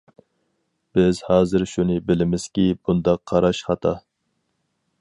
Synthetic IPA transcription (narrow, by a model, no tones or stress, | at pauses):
b̥ɪz̥hɑːzɨɪɾʃunɨbɪlɪmɪz̥kʲibund̪ɑqʰːɑɾɑʃχɑt̪ʰɑ